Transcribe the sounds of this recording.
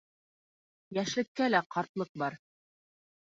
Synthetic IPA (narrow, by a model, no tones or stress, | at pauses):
jæʃlɘ̆kːælæqʰɑɾt̪lˠɤq̚bɑɾ